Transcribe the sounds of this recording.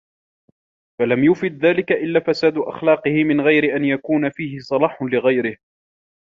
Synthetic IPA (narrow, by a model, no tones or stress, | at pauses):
falamjʊfɪd̪̚ðaːlɪkaʔɪlːaːfasaːd̪ʊʔa̰xlɑːqɨhɪmɪnɣajɾɪʔanjakuːnafiːhɪsˤɑlɑːħʊlɪɣajɾɪh